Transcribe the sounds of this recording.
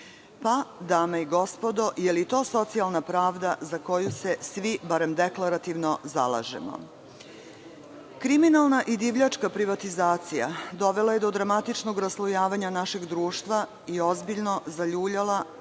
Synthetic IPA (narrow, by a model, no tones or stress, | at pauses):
pad̪aːmaiɡo̞spo̞d̪o̞ʔjelit̪o̞ːso̞t̪sialˠnapɾaːʋd̪azako̞juse̞sʋibaɾe̞md̪eklˠaɾat̪iʋnoza̰la̰ːʒḛmo̰ | kɾiminalˠnaʔid̪iʋʎat͡ʂkapɾiʋat̪izaːt̪sija̰d̪o̞ʋe̞lˠaje̞d̪o̞d̪ɾamat̪it͡ʃnoɡɾaslˠujaːʋaɲanaʃe̞ɡd̪ɾuːʃt̪ʋa | io̞zbiʎno̞zaʎuːʎala